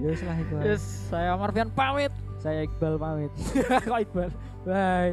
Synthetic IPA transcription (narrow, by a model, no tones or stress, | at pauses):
d͡ʒəslaɦit̪uaɛsːajamarfianpawɪt̪̚ | sajaik̚balpawɪt̪̚kɔik̚bal | baj